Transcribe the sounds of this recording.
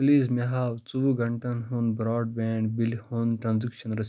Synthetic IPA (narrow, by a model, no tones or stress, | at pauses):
pliːzmeɦaːwt͡suʋuɡɐɳʈɐnɦũnbɾɔːɖ̚bɛːɳɖbilhoːnʈɾãnzikʃɐnɾɐs